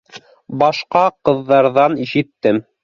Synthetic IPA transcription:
bɑʃqɑqɤ̆ðːɑɾðɑniʃɘ̆t̪ːɘm

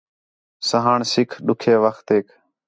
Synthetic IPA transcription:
səɦaːɳsɪkʰɗʊkʰeːʋəxt̪eːk

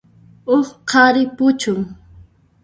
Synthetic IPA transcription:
oχqʰɑɾɪpʊt͡ʃʊŋ

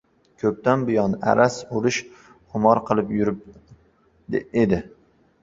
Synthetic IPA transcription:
kʲʰɵp̚t̪ʰanbʊjɒna̰ɾasolɪʃ | χʊmɒɾqʰɨlˠɪpjʊɾɪp̚ | ed̪ɪ

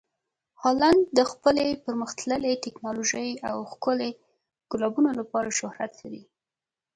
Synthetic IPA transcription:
hɑland̪d̪əxpəlepəɾməxt̪ləlet̪ɪknɑloʒəjawxkʊle | ɡ̥ʊlɑbunolapɑɾaʃʊhɾat̪laɾi

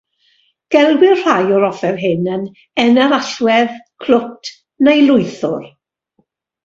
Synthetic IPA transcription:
ɡ̥ɛlˠɡwɪrr̥ajɔɾɔfɛrɦɪnən | ɛnɛɾaɬwɛðkʰl̥ʊtʰ | nejlˠʊɨθʊr

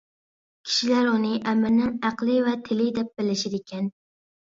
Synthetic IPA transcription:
kʲʰi̥ʃilæɾunɨʔæmɪnɪŋæqlˠɪvɛt̪ʰɪlɪd̪ɛp̚b̥ɪlɪʃɪɾekʲʰɛn

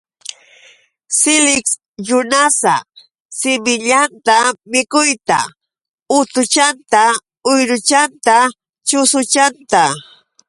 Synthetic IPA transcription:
sɪlɪks | jʊnasa | sɪmɪʎant̪amɪkʊjt̪a̰ | ʊt̪ʊt͡ʃant̪a | ʊjɾʊt͡ʃant̪a | t͡ʃʊsʊt͡ʃant̪a

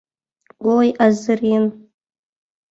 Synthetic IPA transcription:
wojʔazɨrɪn

